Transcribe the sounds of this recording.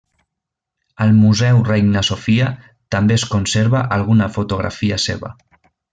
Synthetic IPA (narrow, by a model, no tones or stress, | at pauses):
əlˠmuzɛwrejŋnəsofiə | t̪əmbeəskunseɾβəʔəlˠɣ̞unəfut̪uɣɾa̰fiəsḛβə̰